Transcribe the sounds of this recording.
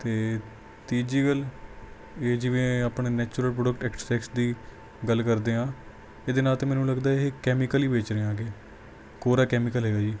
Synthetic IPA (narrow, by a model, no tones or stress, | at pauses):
t̪eː | t̪iːd͡ʒiːɡəl | eːd͡ʒɪʋẽːaːpɳeːnɛːt͡ʃuɾəlpɾoːɖəkʈɛːkssɛːksd̪iː | ɡəlkəɾd̪eːɦãː | eːd̪eːnaːlt̪ẽːmɛːnũːləɡd̪aːeɦekɛːmɪkəliːbeːt͡ʃɾeːaːɡeː | koːɾaːkɛːmɪkəlɦɛːɡaːd͡ʒiː